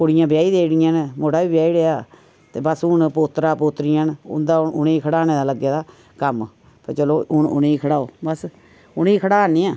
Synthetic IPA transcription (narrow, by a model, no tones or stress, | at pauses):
koɽɪjãːbɪjaːiːd̪eːɽɪjãːnmoːʈaːbiːbɪjaːiːɽeːaː | t̪eːbəsʊnpoːt̪ɾaːpoːt̪ɾijãːnʊ̰nd̪aːʊneːkʰəɽaːneːd̪aːləɡːeːd̪aː | kəm | pət͡ʃəloːnʊ̰neiːkʰəɽaːo̰ːbəs | ʊniːkʰəɽaːanːiːãː